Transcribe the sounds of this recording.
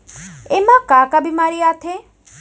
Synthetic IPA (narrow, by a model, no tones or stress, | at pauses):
emãkaːkabimaɾiat̪ʰe